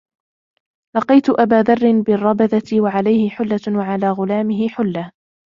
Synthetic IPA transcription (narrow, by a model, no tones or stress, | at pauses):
lɑqijt̪ʊʔabaːðɑrˤːɪnbɪrˤːɑbaðawaʕalajhɪħʊlːawaʕalaːɣʊlaːmɪɦɪħʊlːa